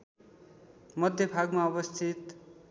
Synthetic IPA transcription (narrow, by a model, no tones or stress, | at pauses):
mʌd̪ʱjʌbʱaɡmaʌbʌst̪ʰit̪